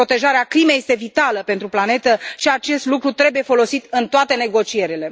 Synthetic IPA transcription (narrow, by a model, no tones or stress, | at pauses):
po̞t̪e̞ʒaɾeaklime̞jest̪e̞vit̪aləpe̞nt̪ɾuplane̞t̪əʃiat͡ʃe̞st̪lukɾut̪ɾe̞buje̞fo̞lo̞sit̪ɨnt̪oat̪e̞ne̞ɡo̞t͡ʃie̞ɾile̞